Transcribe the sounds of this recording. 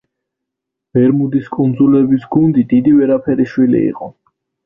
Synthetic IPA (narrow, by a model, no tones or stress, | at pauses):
b̥ɛɾmud̪iskʼund̪zulɛbisɡund̪id̪id̪ivɛɾapʰɛɾiʃwilḭḭqʼɔ